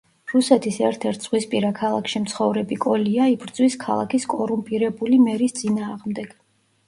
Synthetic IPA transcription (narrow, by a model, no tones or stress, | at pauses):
ɾusɛt̪ʰisɛɾt̪ʰɛɾt̪ʰz̥ʁwispʼiɾakʰalˠakʰʃimt̪sʰχɔvɾɛbikʼɔliaibɾd̪zwiskʰa̰lˠa̰kʰiskʼɔɾumpʼiɾɛbulimɛɾist̪sʼinaːʁmd̪ɛɡ̥